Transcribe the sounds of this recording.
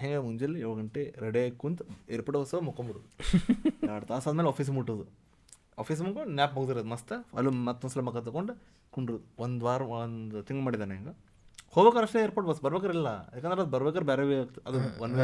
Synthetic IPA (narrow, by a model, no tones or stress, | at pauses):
ɦeŋɡemuɲd͡ʒelːeʋɐɡɐɳʈeɾeɖeːkːunt̪eːɾpɐʈɐʋɐsɐɐmukːɐmbuɽud̪u | aɽt̪aːsaːd̪meːlaːpʰiːs̬muʈːud̪u | a̰ːpʰiːs̬mukonjaːpmuɡt̪iɾed̪mɐst̪ɐɐ̰lumɐt̪ːɐsɐlɐmɐkːɐt̪ːɐkoɳɖu | kuɳɖɾud̪uond̪ʋaːɾɐnd̪ut̪iŋɡmaːɽid̪aːneŋɡɐ | hoːʋekɐɾɐʂʈeeːɾpoːʈbɐsbɐɾʋeːk̬ɐɾilːɐjḛːkːɐnd̪ɾeɐd̪bɐɾʋekɐɾbɛːɾeʋeɐd̪uʋɐnʋe